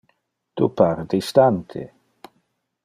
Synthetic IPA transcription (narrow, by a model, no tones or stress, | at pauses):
t̪upaɾd̪ist̪ant̪ʰɪ̰